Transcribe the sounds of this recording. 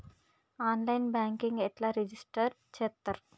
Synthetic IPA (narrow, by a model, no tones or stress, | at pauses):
aːnlɐjnbaːŋkiŋɡɛʈlaːɾed͡ʒisʈɐɾ | t͡ʃeːt̪ːɐɾ